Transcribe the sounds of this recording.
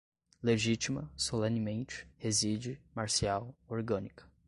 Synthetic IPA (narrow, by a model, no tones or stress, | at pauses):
leʒit͡ʃimɐsolẽnɪmẽnt͡ʃɪ̥hezid͡ʒɪmaɾsiawoɾɡɐ̃nikɐ̥